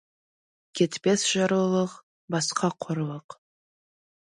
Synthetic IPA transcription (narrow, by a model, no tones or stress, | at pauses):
kʰʲet̪pesʒ̥ɑɾulˠəq | bɑsqʰɑqʰoɾlˠəq